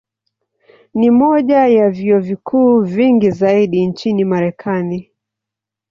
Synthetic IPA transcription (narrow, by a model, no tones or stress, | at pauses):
nimɔʄajaviɔvikʰuːviŋɡizaiɗint͡ʃinimaɾɛkʰani